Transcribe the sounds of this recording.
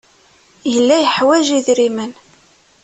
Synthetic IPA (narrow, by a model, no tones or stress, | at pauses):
jəlːæjəħwæʒiðɾimən